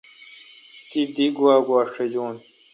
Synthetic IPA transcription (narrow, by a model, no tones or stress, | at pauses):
t̪id̪iɡwaːɡwaːʂed͡ʑoːn